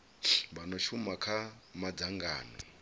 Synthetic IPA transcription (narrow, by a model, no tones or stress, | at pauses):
banɔʃumakʰamad͡zaŋɡa̰ːni